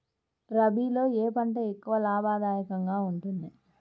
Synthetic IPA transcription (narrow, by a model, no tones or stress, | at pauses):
ɾɐbʱiːlo̞ːeːpɐɳʈeːekːuʋɐlaːbaːd̪aːjɐkɐŋɡaːuɳʈund̪i